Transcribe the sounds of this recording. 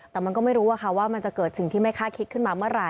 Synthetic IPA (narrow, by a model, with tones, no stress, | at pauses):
t̪ɛː˨˩ma˧nkɔː˥˩ma˥˩jɾuː˦˥ʔa˧kʰa˥˩waː˥˩ma˧nt͡ɕa˨˩kɤː˨˩t̪̚sʰi˨˩˦ŋt̪ʰiː˥˩ma˥˩jkʰaː˥˩kʰi˦˥t̪̚kʰɯ˥˩nmaː˧mɯ˥˩ɐɾa˧